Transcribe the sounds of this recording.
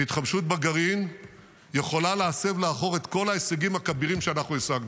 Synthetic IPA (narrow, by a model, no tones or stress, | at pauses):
it̪χabʃut̪̚baɡaʁin | je̞χo̞lalease̞vleaχo̞ʁe̞t̪ko̞laeseɡimhakabiʁimʃeanaχnuesaɡnu